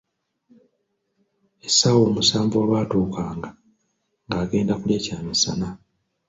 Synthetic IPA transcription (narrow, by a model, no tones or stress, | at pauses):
esawoːmusaːɱvuwaβaːtoːkaːŋɡa | ŋɡaːɡe̞ːndakuljacaːmisa̰na